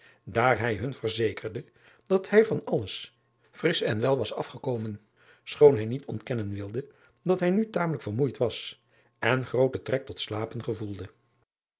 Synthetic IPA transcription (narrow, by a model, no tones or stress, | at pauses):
daːɹɦɛjɦɵnvərzejkʰərdə | d̥ɑthɛjvɑnɑləs | frɪsɛnʋɛlˠʋɑsɑfχəkowmən | sχownɦɛjnitʰɔ̰ntkɛnənʋɪlˠdə | dɑtɦɛjnytaːmələkfərmujtʋɑs | ʔɛnχrowtətrɛk̚tɔtslaːpənχəvulˠdə